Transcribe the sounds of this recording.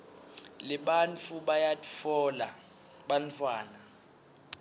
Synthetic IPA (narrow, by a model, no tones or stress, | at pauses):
lɪɓant͡fʰuɓajatʼifɔːla | ɓant͡fʰwaːna